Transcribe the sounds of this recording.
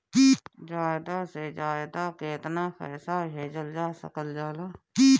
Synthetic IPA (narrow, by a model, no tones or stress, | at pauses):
iːd͡ʒaːjd̪ased͡ʒaːjd̪akeːt̪naxɛ̰ːsaɦeːd͡ʒəld͡ʒaːsə̰kəld͡ʒaːla | iː